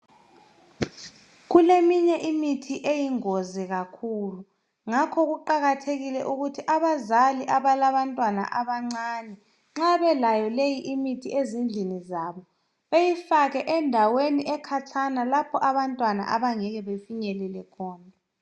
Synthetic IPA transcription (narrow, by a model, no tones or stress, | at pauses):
ɣulemiɲɛʔimitʰiʔejiŋozɛɣakʰulu | ŋakʰɔɣuǃaɣatʰeɣilɛʔuɣutʰiʔaβazaliʔaβalaβantʼwana̰ʔaβaŋ͡ǀanɛ | ŋ͡ǁaβɛlajɔlejiʔimitʰiezind͡ɮʱinizaːβɔ | βejifaɣɛʔɛndʱaweniʔɛkʰatʰanalapʰɔʔaβantʼwana̰ʔaβaŋɛɣɛβefiɲɛlɛlɛkʰɔːnʱa